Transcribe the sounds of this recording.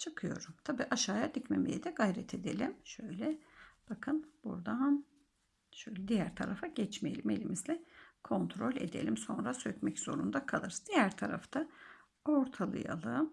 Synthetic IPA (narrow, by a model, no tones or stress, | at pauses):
t͡ʃʰɯkʰɯjo̞̰ɾumt̪ʰabiːʔaʃaːjad̪icme̞mḛjɛd̪ɛɡajɾɛt̪ʰe̞d̪e̞̰lʲimʃø̞jlʲɛb̥akʰɯnb̥ṵɾd̪an | ʃøjlʲɛd̪ijæɾt̪ʰa̰ɾafaɟɛt͡ʃmejelʲime̞̰lʲimizlʲɛkʰo̞nt̪ʰɾo̞lʲe̞̰d̪elʲimso̞nɾasøcmɛcz̥o̞ɾund̪akʰalˠɯɾszd̪ijæɾt̪ʰaɾa̰ft̪ʰa | o̞ɾt̪ʰalˠɯ̰ja̰lˠɯm